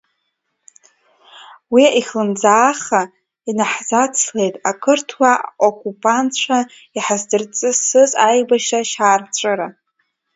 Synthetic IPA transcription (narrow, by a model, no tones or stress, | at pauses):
wiiχlɨnd͡zaːχa | inaħzat͡sʰle̞jtʼakʰɨrtʰwaokʷʼupʼant͡ɕʷʰa | iħazdɨrt͡sʼɨsɨzʼajbaʃaʃaːrt͡ʃʷʼɨɾa